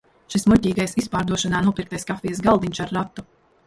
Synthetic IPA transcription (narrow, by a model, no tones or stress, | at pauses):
ʃismucʲiːɡajsispaːɾd̪uɔʃanaːnuɔpiɾk̚t̪ajskafʲijs̬ɡalˠd̪iɲʲt͡ʃaɾːat̪ːu